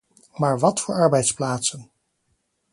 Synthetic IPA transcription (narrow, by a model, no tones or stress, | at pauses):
maːɹʋɑtfʊːɹɑɹbɛjtsplaːtsən